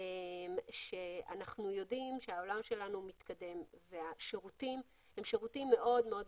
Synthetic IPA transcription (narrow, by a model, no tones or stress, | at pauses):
emʃea̰naχnujo̞dimʃeaolamʃe̞lanumit̪kade̞mveaʃeʁutim | hemʃeʁutimːe̞ʔo̞dmeo̞d